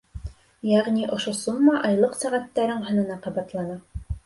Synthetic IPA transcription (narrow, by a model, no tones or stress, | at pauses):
jæʁnʲiʔŏʃosumːɑʔɑjlˠɤqsæʁæt̪ːæɾɘɴɦɤ̆nɤ̆nɑqɑβɑt̪lˠɑnɑ